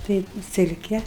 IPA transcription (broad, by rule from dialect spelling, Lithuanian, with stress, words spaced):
ˈtɐɪ ˈsʲɪlʲkʲɛ